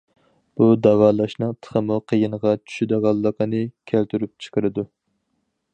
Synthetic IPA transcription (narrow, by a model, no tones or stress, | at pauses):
b̥ud̪ɑwɑːlˠɑʃnɨŋt̪ʰə̥χʰəmuqʰəjinəʁɑt͡ʃʰy̥ʃyd̪ɨʁɑlˠːəqənɨkʲʰælt̪ʰyɾyp̚t͡ʃʰə̥qəɾɨd̪u